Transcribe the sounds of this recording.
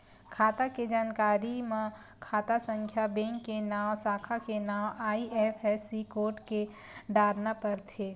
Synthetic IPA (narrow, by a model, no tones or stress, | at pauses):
kʰaːt̪aked͡ʒaːnkaːɾimẽ | kʰaːt̪asə̃ŋkʰjabẽːŋkːenaːwsaːkʰakenaːwaːiɛːfʰɛsikoːʈke | ɖaːɾnapɐɾt̪ʰeː